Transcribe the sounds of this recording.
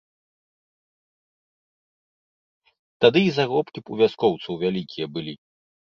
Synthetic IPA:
t̪ad̪ɨizaɣɔpkʲipuvʲaskɔwt̪sɐwvʲalʲikʲijɐbɨlʲi

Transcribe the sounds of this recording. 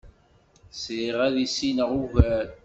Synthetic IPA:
siʁæðisinəʁuvæɾ

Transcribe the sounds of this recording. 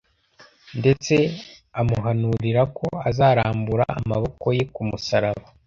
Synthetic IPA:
nde̞t͡se̞ | amuɦanuɾiɾako̞azaːɾaːmbuɾa̰ːmaβo̞ko̞jekumusaɾaβa

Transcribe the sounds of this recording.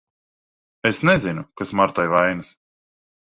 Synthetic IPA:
esnɛzinukasmaɾt̪ɔjvajnɨs

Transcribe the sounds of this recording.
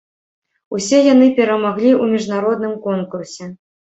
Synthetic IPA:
usʲɛjanɨpʲɛɾɐmaɣlʲiumʲiʐnaɾɔd̪̚nɨmkɔnkursʲɛ

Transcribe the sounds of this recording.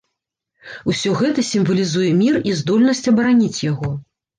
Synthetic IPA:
usʲɔɣɛt̪ɐsʲimvɐlʲizujɛmʲirizd̪ɔlʲnɐsʲt͡sʲɐbɐɾanʲit͡sʲjaɣɔ

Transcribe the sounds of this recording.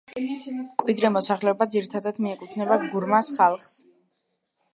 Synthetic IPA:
kʼwid̪ɾɛmɔsaχlɛɔbad̪ziɾit̪ʰad̪ad̪miɛkʼut̪ʰnɛbaɡuɾmasχalˠχs

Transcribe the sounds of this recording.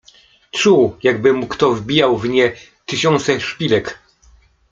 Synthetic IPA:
t͡ʂujaɡ̚bɘmukt̪ɔvbʲijawvɲɛ | t̪ɘɕɔ̃nt̪sɛʂpʲilɛk

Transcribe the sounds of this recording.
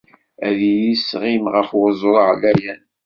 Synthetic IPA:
æðijisʁimʁəfʊzˤoɾˤʕlæjæn

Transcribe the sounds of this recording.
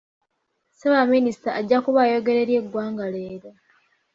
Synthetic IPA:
seβaministaːɟːakuβajo̞ɡe̞ɾe̞ɾjeɡwaːŋɡaleːɾo

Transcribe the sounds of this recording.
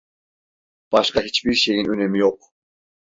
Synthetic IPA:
b̥ɑʃqɑɦet͡ʃbiɾʃejinønemijoq

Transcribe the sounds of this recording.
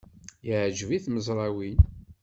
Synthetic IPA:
jəʕd͡ʒviθməzˤɾˤɑwin

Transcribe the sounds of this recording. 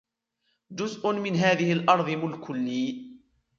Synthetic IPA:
d͡ʒʊzʔʊnmɪnɦaːðɪhɪlʔɑɾˤðˤɨmʊlkʰʊlːiː

